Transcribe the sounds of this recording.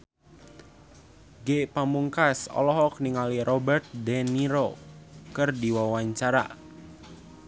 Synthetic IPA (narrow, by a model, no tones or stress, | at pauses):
ɡepamuŋkasɔ̰lɔɦɔk̚niŋalirʔɔbərt̪̚dɛniɾokɨrdiwawaɲt͡ʃaɾa̰